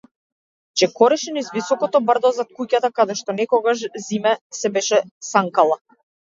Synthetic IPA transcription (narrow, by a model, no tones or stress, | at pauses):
t͡ʃɛkɔɾɛʃɛnizvisɔkɔt̪ɔbr̩d̪ɔzat̪̚kucat̪akad̪ɛʃt̪ɔnɛkɔɡaʃzimɛsɛbɛʃɛsaŋkalˠa